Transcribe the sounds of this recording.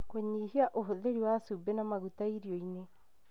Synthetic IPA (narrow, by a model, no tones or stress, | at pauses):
koɲihiaʔoɦoðeɾiwasubenamaɣutaiɾiɔine